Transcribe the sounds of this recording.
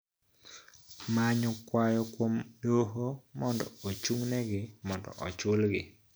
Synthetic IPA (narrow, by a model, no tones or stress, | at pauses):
maɲɔkwajɔkwomdoɦomɔndɔ̰ot͡ʃuŋnɛɡɪmɔndɔ̰ʔɔ̰t͡ʃʊlɡɪ̰